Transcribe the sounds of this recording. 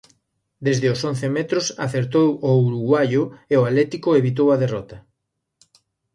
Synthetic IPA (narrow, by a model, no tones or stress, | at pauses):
d̪ezðeʊson̟θemɛt̪ɾʊsa̰θeɾt̪owouɾuɣwajʊeʊalɛt̪ikʊeβit̪̬owɐðerɔt̪ɐ